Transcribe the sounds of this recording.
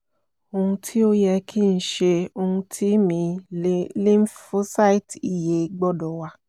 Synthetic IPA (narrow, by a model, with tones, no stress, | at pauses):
o˧hũ˧tʰi˦o˦jɛ˧kʰi˦˨n̩˦ʃe˧o˧hũ˧tʰi˦mĩ˧ | lĩ˦m˦ffu˦sa˦˨i˦˨ti˨je˨˧ɡ͡bɔ˦dɔ˨wa˧